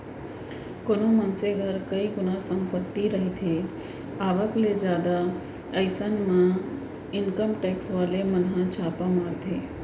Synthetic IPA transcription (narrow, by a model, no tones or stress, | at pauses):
koːnõmənseɡʱəɾkəiɡʊnasə̃mpət̪ːiɾəɦet̪ʰe | aːʋəkled͡ʒjaːd̪a | əɪsənmã | ɪnkəmʈɛːksʋaːlemənɦãt͡ʃʰaːpamaːɾt̪ʰeː